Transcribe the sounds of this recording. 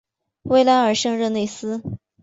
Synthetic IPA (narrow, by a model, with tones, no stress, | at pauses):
we˥ɪla˧˥nə˞˨˩ʂɤ˥˧ŋɻə˥˧ne˥˩ɪsɹ̩˥